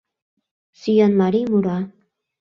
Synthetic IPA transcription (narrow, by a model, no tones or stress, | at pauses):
syjɑnmaɾimuɾɑ